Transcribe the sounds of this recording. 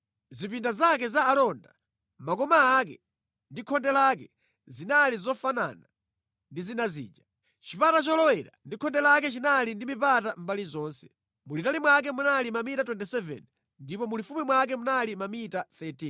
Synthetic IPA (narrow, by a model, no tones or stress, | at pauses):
zipindazakɛzaːlɔnda̰ | makɔmaːkɛ̰ | ndikʰɔndɛlak̬ɛ | zinalizɔfana̰na | ndizinazḭːd͡ʒa | t͡ʃipatat͡ʃɔlɔwɛɾa̰ndikʰɔndɛlakɛt͡ʃinalindimipatam̩balizɔːnsɛ̥ | mulitalimwak̬ɛmunalimamitatwɛntɛsɛvɛ̰n | ndipɔmulifumimwak̬ɛmunalimamitaθɛti